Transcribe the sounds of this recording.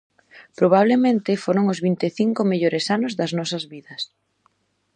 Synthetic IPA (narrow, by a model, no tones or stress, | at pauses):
pɾoβ̞aβ̞lemẽnt̪ɪfoɾoŋʊzβint̪eθiŋkomeʎoɾesanʊzðɐznɔsɐzβiðɐs